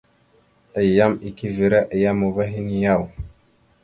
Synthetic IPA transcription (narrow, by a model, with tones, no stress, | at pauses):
ə˨jːa˦mi˨ki˦vi˨ɾa˦ʔa˨ja˦mu˨va˦ɦi˦ni˨ja˦˨w